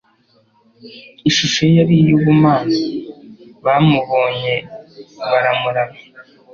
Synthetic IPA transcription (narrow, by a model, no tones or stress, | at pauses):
iʃuʃojaɾijuβumaːzi | βamuβo̞ːɲe̞ | βaɾamuɾama